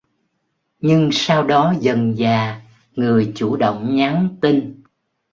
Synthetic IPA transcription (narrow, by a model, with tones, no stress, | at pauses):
ɲɨ˧ŋsaː˧wɗɔ˨˦zə˨˩nzaː˨˩ | ŋɨ˨˩əjt͡ɕu˧˩ɗo̰˧˨wŋ͡mɲa˨˦ŋt̪i˧n